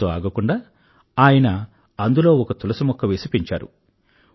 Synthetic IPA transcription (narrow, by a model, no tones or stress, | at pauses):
oːa̰ːɡɐkuɳɖaː | aːjɐnɐ | ɐnd̪ulo̞ːɔkɐt̪ulɐsɐmɔkːɐʋeːsipiɲt͡ʃa̰ːɾṵ